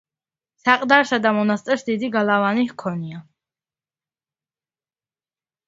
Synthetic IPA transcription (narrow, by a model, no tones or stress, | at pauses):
saqʼd̪aɾsad̪amɔnast̪sʼɛɾsd̪id̪iɡalˠavaniχkʰɔnia